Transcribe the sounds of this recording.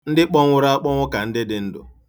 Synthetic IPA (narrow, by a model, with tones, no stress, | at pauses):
n̩˦dɪ˦k͡pɔ˦ŋʷʊ˦ɾa˦a˦k͡pɔ˦ŋʷʊ˦ka˨n̩˦dɪ˦dɪ˨˦n̩˦dʊ̰˨